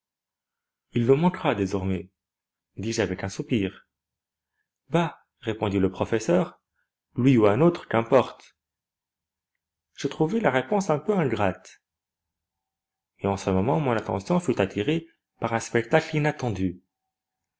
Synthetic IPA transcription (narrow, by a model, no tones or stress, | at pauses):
ilːəmɑ̃kʁad̪ezɔʁmɛ | d̪iʒavɛkɛ̃supiːʁ | ba | ʁepɔ̃d̪iləpχɔfɛsœːʁ | lɥiuɛ̃not̪χə̥kɛ̃pɔʁt̪ | ʒ̥ət̪χuvɛlaʁepɔ̃sɛ̃pøɛ̃ɡʁat̪ | eɑ̃səmɔmɑ̃mɔ̃nat̪ɑ̰̃sjɔ̃fyt̪at̪ʰiʁe | paʁɛ̃spɛk̚t̪aklinat̪ɑ̃d̪y